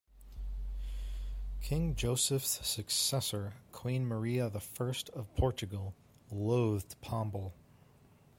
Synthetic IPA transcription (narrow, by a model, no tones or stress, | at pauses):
kʰɪ̃ŋd͡ʒoʊsɨfssɨksɛsə˞kʰw̥ĩnmə˞iɨðəfɜ˞stʰʌv̥pʰɔɹt͡ʃɨɡl̩ˠ | loʊðpʰɑ̃mbl̩ˠ